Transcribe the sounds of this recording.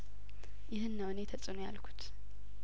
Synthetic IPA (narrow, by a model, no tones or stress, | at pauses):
jɪɦɨnːəwɨnet̪ʰəsʼɨnojalkʰu̥t̪